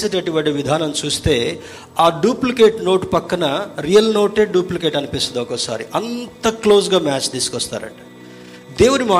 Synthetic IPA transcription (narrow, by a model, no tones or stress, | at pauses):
sɐʈɐʈiʋɐɖiʋid̪ʱaːnɐmt͡ʃuːst̪eː | aːɖuːplikeːʈnoːʈpɐkːɐnɐɾijɐlnoːʈeːɖuːplikeːʈɐnipisɐd̪ɔkɐsa̰ːɾḭʔɐnt̪ɐkloːsɡaːmaːt͡ʃd̪iːsu̥kɔst̪a̰ːɾɐ̰ʈɐ̥ | d̪eːʋunimaː